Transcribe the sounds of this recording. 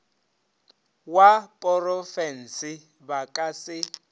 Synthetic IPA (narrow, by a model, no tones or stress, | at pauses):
wapʼɔrɔfɛnsi | bakʼasɪ